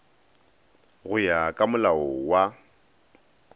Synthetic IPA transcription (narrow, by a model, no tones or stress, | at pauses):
ɣʊjakʼamʊlaɔwa